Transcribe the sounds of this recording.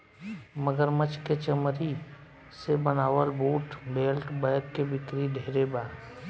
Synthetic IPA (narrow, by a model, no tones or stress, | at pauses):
məɡəɾmət͡ʃket͡ʃəmɾi | sebənaːʋəlbuːʈbeːlʈbəjəɾkebɪkɾiɖʱeːɾebaːɾ